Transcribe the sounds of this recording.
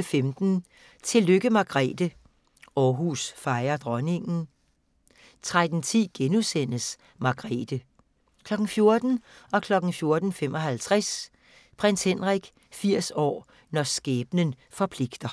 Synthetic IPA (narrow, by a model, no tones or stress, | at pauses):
femd̥n̩ | t͡sʰe̝lːøɡ̥əmɑ̈ɡ̥ʁɛ̰ːd̥ə | ɒːɦusfɑ̈ɪɐd̥ʁɒne̝ŋn̩ | t͡sʰʁad̥n̩t͡sʰḭːɡ̥enusen̰əs | mɑ̈ɡ̥ʁɛ̰ːd̥ə | kʰlɒ̽ɡ̥n̩fjo̝ɐd̥n̩ɒ̽kʰlɒ̽ɡ̥n̩fjo̝ɐd̥n̩fem̰ɒ̽ɦælt͡sʰʁas | pʰʁen̰shenʁaɡ̥ | fiɐ̰sɒ̰ː | nɒsɡ̥ɛːb̥nən | fɒ̽pʰle̝ɡ̥d̥ɐ